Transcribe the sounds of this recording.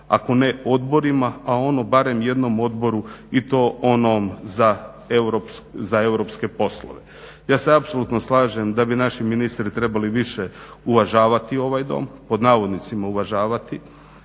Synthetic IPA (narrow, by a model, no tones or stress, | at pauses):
a̰ko̞neo̞d̪bo̞ɾimaao̞no̞baɾe̞mje̞d̪no̞mo̞d̪bo̞ɾuit̪o̞ːonomza | ewɾopzae̞wɾo̞pske̞po̞slo̰ʋe | jaːseapsolˠut̪no̞slˠaːʒemd̪abinaʃiminist̪ɾit̪ɾe̞baliʋiʃeuʋaʒaːʋat̪io̞ʋajd̪o̰ːmpo̞d̪naːʋo̞d̪nit̪simauʋaʒaːʋat̪i